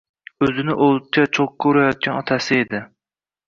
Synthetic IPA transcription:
øzɪnɪʔol̚ˠt͡ʃʰɛt͡ʃʰokːuɾɛjɑt̪̚ʲʰɑnɒt̪ʰɛsɪed̪ɪ

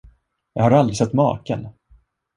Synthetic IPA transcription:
jɑ̰ːɡhaɾald̪ɾɪsɛt̪ːmɑ̰ːkə̰n

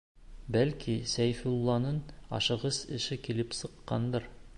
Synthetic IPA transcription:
bælkʰisæjfilˠːɑnɤnɑ̰ʃɤ̆ʁɤsɘ̆ʃɘkilɘpsɤ̆qːɑnd̪ɤɾ

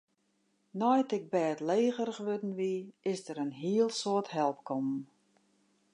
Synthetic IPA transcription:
nɔjtɪk̚bɛːətleːɣərɣʋødn̩ʋiɪsdəɾənɦiəlˠsoəthɛlˠp̚kʰɔmn

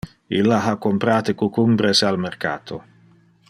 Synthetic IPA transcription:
ilːaɦakːompɾaːt̪ekukumbɾesalmerka̰ːt̪ʰo̰

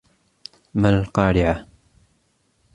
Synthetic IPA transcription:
malqɑːɾɪʕa

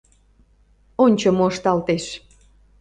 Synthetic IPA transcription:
onʲt͡ɕomoːʃt̪ɑlt̪eʃ

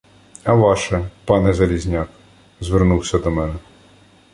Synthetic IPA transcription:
ɐʋɑʃɛpɑnɛzɐlʲizʲnʲɑk | zʋernuwsʲɐd̪ɔmɛnɛ

